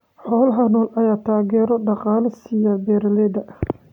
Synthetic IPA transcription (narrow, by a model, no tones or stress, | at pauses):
ħɔːlɦɐnɔːlɐjaːt̪ʰaːɣɛːɾɔɖɑqɑːlɐsiɪjɐbɛːɾɐlɛd̪ɐ